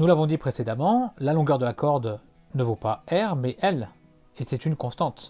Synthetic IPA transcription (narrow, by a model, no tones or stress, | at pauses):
nulavɔ̃d̪ipχesed̪amɑ̃lalɔ̃ɡœʁd̪əlakɔʁd̪ | nəvopaɛʁmɛʔɛl | esɛt̪ynkɔ̃st̪ɑ̃t̪